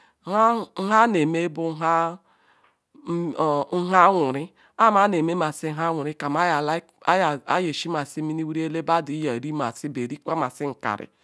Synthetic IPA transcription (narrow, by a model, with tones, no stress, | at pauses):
a˦ɦa˦ne˨me˦bu˦ɦa˦˨˦ | ɦa˦wu˨ɾi˦ | a˦˨ma˦ne˨me˦ma˨si˦ɦa˦wʷu˨ɾi˦ka˨ma˦ja˨la˦ | ja̰˦je˨ʃi˦ma˨si˦mi˦ni˦wu˦ɾe˦le˦ba˦di˨˦ja˨ɾi˦ma̰˨si˦be˨ɾi˦kʷa˦ma˨si˦ŋ̩˨ka̰˨ɾḭ˨